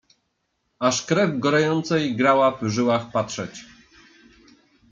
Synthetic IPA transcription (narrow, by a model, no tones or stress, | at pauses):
aʂkɾɛvɡɔɾajɔnt̪sɛjɡɾawavʐɘwaxpatʂɛt͡ɕ